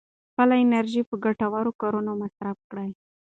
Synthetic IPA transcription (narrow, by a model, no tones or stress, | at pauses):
xpəlaɪnaɾʒipəɡaʈawaɾokɑɾunomasɾafkɽaj